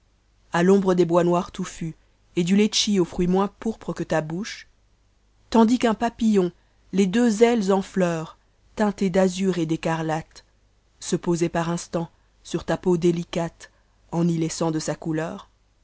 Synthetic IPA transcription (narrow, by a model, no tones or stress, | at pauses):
alɔ̃bʁəd̪ebwanwaʁt̪ufy | ed̪ylet͡ʃiofχɥimwɛ̃puʁpχəkət̪abuʃ | t̪ɑ̃d̪ikɛ̃papijɔ̃ | led̪øzɛlzɑ̃flœːʁ | t̪ɛ̃t̪ed̪azyʁed̪ekaʁlat̪ | səpozɛpaʁɛ̃st̪ɑ̃ | syʁt̪apod̪elikat̪ | ɑ̃nilɛsɑ̃d̪əsakulœːʁ